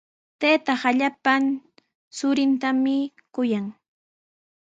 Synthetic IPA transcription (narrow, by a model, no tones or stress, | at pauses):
t̪eːt̪ahaʎapan | sʊɾɪnt̪amɪ | kʊjaŋ